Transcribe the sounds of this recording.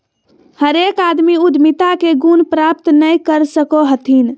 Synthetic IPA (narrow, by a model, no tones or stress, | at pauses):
həɾekad̪miud̪mit̪akeɡunpɾap̚t̪nəjkəɾsəkoɦət̪ʰin